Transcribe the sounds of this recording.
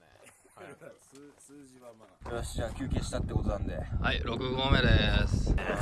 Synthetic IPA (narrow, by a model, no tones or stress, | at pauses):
aaɕi̥ʑãkʲɨ̟ːkʲẽːɕi̥t̪at̪ːe̞ko̞t̪onãnd̪e̞haiɾo̞kɯ̟ɡo̞ːme̞d̪es